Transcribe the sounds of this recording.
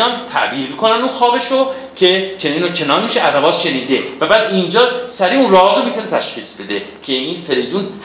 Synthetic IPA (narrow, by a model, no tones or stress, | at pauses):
ɒnt̪ʰæ̰ʔbiːɾmiːkʰo̞nænuːxɒːbe̞ʃo | cʰe̞t͡ʃʰeniːnot͡ʃʰe̞nɒːnmiʃeæzrævɒːzʃe̞niːd̪e̞væbæːd̪ind͡ʒɒːsæɾiːunrɒːɦɒːzomiːt̪ʰunet̪ʰæʃxiːsbe̞d̪e̞cʰe̞iːnfe̞ɾejd̪uːn